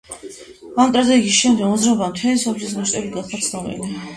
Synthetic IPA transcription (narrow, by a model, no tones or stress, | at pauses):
amt̪ʼɾad̪ɛiɡisʃɛmd̪ɛɡmɔzɾaɔbamt̪ʰwɛnisɔpʰlismɔʃt̪ʼɛbiɡat̪χat̪sʰnɔvḭli